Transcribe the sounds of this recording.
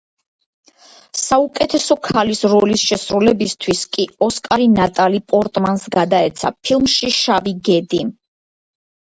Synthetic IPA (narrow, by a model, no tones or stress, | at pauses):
saukʼɛt̪ʰɛsɔkʰalisɾɔlisʃɛsɾulɛbist̪ʰwiskʼiɔskʼaɾinat̪ʼalipʼɔɾt̪ʼmansɡad̪aɛt̪sʰa̰pʰilˠmʃiʃaviɡɛd̪i